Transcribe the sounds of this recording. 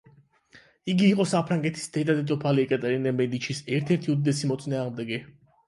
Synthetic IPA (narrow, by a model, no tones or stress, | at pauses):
iɡiːqʼɔsapʰɾaŋɡɛt̪ʰi̥sd̪ɛd̪ad̪ɛt̪ʼɔpʰaliɛkʼat̪ʼɛɾinɛmɛd̪it͡ʃʰisɛɾt̪ʰɛɾt̪ʰiud̪id̪ɛsimɔt̪sʼinaːʁmd̪ɛɡɛ